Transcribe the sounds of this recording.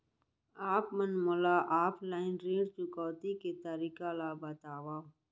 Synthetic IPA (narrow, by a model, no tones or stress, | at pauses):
aːpmənmolaːʔaːpʰlaːɪnɾẽːɖt͡ʃʊkɔːt̪iket̪əɾiːkalaːbɐt̪aːwaː